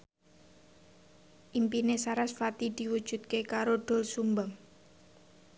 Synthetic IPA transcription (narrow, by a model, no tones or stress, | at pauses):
ʔimpinesaɾasfat̪id̪̥i̤wud̥ʒ̥ṳd̪̚kekaɾoɖ̥ɔ̤lsumbam